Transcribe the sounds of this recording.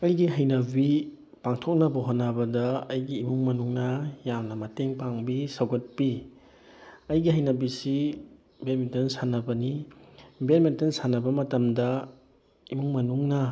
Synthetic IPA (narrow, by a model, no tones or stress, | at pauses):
ɐjɡiɦɐjnɐbi | paŋtʰok̚nɐbɐɦonːɐbɐdɐːjɡiːmuŋmɐnuŋnɐjamnɐmɐteŋpaŋbisɐwɡɐt̚pi | ɐjɡiɦɐjnɐbisi | beɾmentɐnsanɐbɐni | beɾmentɐnsanɐbɐmɐtɐmdɐ | imuŋmɐnuŋnɐ